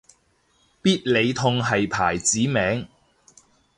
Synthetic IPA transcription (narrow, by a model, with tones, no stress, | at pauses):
piː˥t̚le˨˧jt̪ʰʊ˧ŋɦɐ˨jpʰaː˨˩jt͡siː˨˥mɛː˨˥ŋ